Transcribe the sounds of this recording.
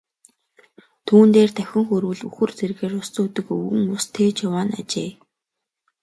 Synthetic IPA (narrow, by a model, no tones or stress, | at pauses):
t̪ʰuːnt̪eːrt̪ʰæxʲɪ̆ŋxɵɾwɘ̆ɮṵxɵ̆rt͡serɣeːrʊst͡suːt̪ɘ̆kɵwɘ̆ŋʊst̪ʰeːt͡ɕʊwaːna̰t͡ɕeː